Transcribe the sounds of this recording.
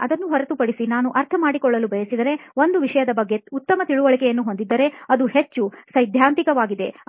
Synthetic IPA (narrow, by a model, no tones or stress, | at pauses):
ɐd̪ɐnːuɦɔɾɐt̪upɐɽisinaːnuʔɐɾt̪ʰɐmaːɽikɔɭːɐlubʱɐjɐsid̪ɐɾe̞o̞nd̪uʋiʂɐjɐd̪ɐbɐɡːe̞ut̪ːɐmɐt̪iɭuʋɐɭikejɐnːuɦo̞nd̪id̪ːɐɾe̞ɐd̪uɦet͡ʃːusɐjd̪ʱjaːnt̪ikɐʋaːɡid̪e̞̰